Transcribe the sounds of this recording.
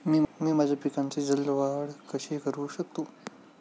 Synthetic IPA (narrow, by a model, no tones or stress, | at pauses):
miːmiːmad͡ʑʱapikãnt͡sed͡zəlːʋaɽkəɕekəɾuːɕək̚t̪o